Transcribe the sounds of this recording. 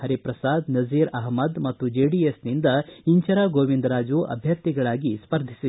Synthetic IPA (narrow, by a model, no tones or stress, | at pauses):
hɐɾipɾɐsaːd̪nɐziːɾɐɦmɐd̪mɐt̪ːud͡ʒeːɖiesnind̪ɐiɲt͡ʃɐɾaːɡoːʋind̪ɾaːd͡ʒuʔɐ̰bʱjɐɾt̪iɡɐɭaːɡispɐɾd̪ʱisi